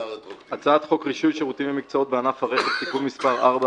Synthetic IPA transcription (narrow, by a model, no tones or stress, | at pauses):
at͡saat̪χo̞kʁiʃujʃeʁut̪imvemikt͡sao̞t̪̚beanafhaʁeχett̪ikulmispaʁaʁba